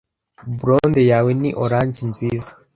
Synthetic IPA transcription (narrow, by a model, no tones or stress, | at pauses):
buɾondejaːweniʔoɾaːɲd͡ʒinziːza